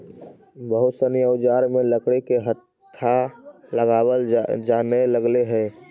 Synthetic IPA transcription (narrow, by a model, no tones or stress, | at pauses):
bəɦʊsəniəʊd͡ʒaːɾmẽləkɽekeɦət̪ʰːaləɡaːwəld͡ʒaneləɡleɦɛː